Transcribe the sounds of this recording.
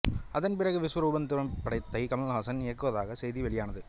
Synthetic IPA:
ɐðɐnpɪrɐɣɯʋɪsʋɐɾʊbɐnd̪ɯɾɐmpːɐɽɐɪt̪ːɐɪkɐmɐlɐlɦaːsɐnɪjɐkːɯʋɐðaːɣɐsɛjðiʋɛɭɪjaːnɐðɯ

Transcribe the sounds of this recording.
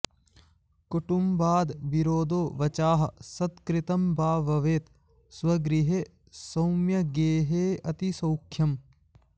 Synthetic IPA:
kuʈumbaːd̪ʋiɾoːd̪oːʋɐt͡ʃaːɦɐ̰sɐd̪kɾit̪ɐmbʱaːʋɐʋeːt̪ | swɐɡɾiɦe | sɐwmjɐɡeːɦeːɐt̪isɐwkʰjɐm

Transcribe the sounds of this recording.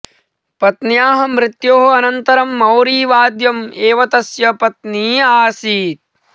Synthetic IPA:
pɐt̪njaːɦɐ̆mɾɪt̪joːɦɐɐnɐnt̪ɐɾɐmːɐwɾiːʋaːd̪jɐmeːʋɐt̪ɐsjɐpɐt̪niːaːsiːt̪̚

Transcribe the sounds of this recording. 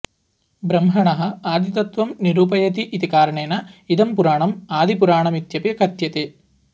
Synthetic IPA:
bɾɐmɦɐɳɐɦɐaːd̪it̪ɐt̪ʋɐmniɾuːpɐjɐt̪iʔit̪ikaːɾɐɳeːnɐid̪ɐmpuɾaːɳɐmaːd̪ipuɾaːɳɐmit̪jɐpiɐkʰɐt̪jɐt̪e

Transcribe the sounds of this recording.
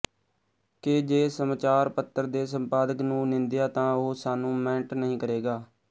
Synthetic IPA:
ked͡ʒeːsəmaːt͡ʃaːɾpət̪ːəɾd̪eːs̬ə̃mpaːd̪əknũːnɪ̃nd̪ɪjaːt̪ãːoɦosaːnũːmɛ̃ːɳʈnəɦĩːkəɾeːɡaː

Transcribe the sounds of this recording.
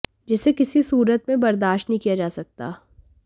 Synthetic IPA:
d͡ʒɪsekɪsisuːɾət̪mẽbɐɾd̪aːʃʈnəɦĩkijad͡ʒaːsɐk̚t̪a̰ː

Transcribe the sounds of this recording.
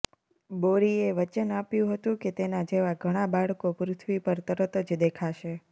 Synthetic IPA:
boɽieʋət͡ʃənapjũɦət̪ũket̪enad͡ʒeʋaɡʱəɽ̃abaɭkopɾʊt̪ʰʋipəɾt̪əɾət̪əd͡ʒd̪ekʰaʃe

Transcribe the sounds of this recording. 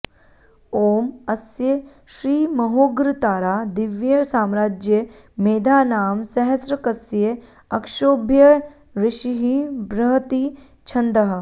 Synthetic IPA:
oːmɐsje | ʃɾiːmɐɦoːɡɾɪt̪aːɾaːd̪ɪʋjɐsaːmɾaːd͡ʒjə | meːd̪ʱaːnaːmsɐɦɐsɾɐkɐsje | ɐkʃoːbʱjɐ | ɾɪʃiɦibɾɐɦt̪i | t͡ʃʰɐnd̪ɐɦɐ

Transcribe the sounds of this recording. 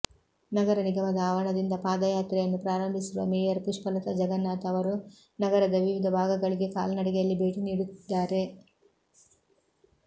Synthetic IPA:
nɐɡɐɾɐniɡɐmɐd̪ɐaːʋɐɳɐd̪ind̪ɐpaːd̪ɐjaːt̪ɾɛjɐnːupɾaːɾɐmbʱisuʋɐ̰meːjɐɾkuʂpɐlɐt̪ɐd͡ʒɐɡɐnːaːt̪ɐʋɐɾu | nɐɡɐɾɐd̪ɐʋiʋid̪ʱɐbʱaːɡɐɡɐɭiɡe̞ka̰ːlɐnɐɽɛɡɛjɐlːibʱe̞ːʈiniːɽut̪id̪ːaːɾe̞

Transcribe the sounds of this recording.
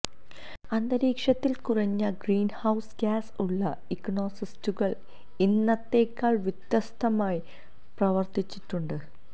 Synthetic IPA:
ɐnd̪ɐɾiːkʂɐt̪ːilkurɐɲːɐɡriːnhɐwsɡaːsuɭːɐ | ikno̞ːsistuɣɐɭ | inːɐt̪ːe̞ːkːaːɭʋit̪jɐst̪ʰɐmaːji | prɐʋɐrt̪it͡ɕːiʈːuɳɖɨ

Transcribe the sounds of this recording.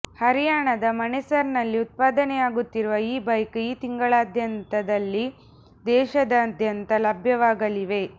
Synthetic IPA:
hɐɾijaːɳɐd̪ɐmɐnɛsɐɾnɐlːiut̪̚paːd̪ɐnɛjaːɡut̪ːiɾuʋɐiːbɐjkiːt̪iŋɡɐɭaːd̪ʱjɐnt̪ɐd̪ɐlːi | d̪ɛːʃɐd̪ɐːd̪ʱjɐnt̪ɐlɐbʱjɐʋaːɡɐliʋe̞

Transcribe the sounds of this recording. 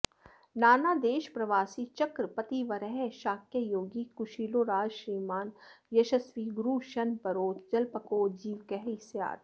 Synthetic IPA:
naːnaːd̪eːʃpɾɐʋaːsiːt͡ʃɐkɾpɐt̪iʋɐɾɛɦeʃaːkjəjoːɡikʊʃiːloːɾaːd͡ʒʃɾiːmaːnjɐʃɐsʋiːɡɾuːʃɐnpɐɾoːt͡ʃd͡ʒɐlpɐkoːd͡ʒiːʋkɛɦɾisja̰ːd̪

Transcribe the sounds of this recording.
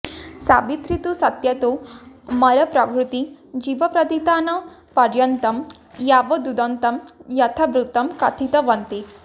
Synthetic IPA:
sa̰ːbit̪ɾit̪usɐt̪jɐt̪umɐɾɐpɾɐbʱɾut̪id͡ʒiʋɐpɾɐd̪it̪aːnɐ | pɐɾjɐnt̪ɐm | jaːʋɐd̪ud̪ɐnt̪ɐmjɐt̪ʰɐbɾut̪ɐmkɐt̪ʰit̪ɐʋɐnt̪i

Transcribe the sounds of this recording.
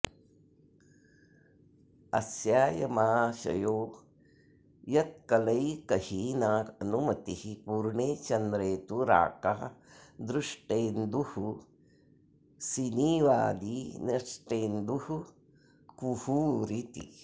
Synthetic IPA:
ɐ̰sjaːjɐmaːʃɐ̰joː | jɐt̪̚kɐlɐjkɐhiːnaːɐnumɐt̪ihipuːɾɳeːt͡ʃɐnd̪ɾeːt̪uɾa̰ːkaːd̪ɾuʂʈeːnd̪uhu | siniːʋaːd̪inɐʂʈeːnd̪uhu | kuhuːɾit̪ḭ

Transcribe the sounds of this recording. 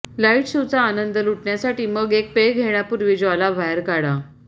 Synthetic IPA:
laiʈɕiwt͡saːnənd̪əluʈɳjasaʈiːməɡek̚peɡʱeɳ̃japuɾʋid͡ʑalabʱajəɾkaɽa

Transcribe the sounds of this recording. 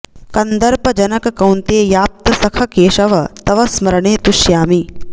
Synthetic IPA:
kɐnd̪ɐɾpɐd͡ʒɐnɐkɐkɐwnt̪eːjaːp̚t̪ɐsɐkʰɐkeːʃɐʋɐt̪ɐʋɐsmɐɾɐɳeːt̪uʃjaːmi

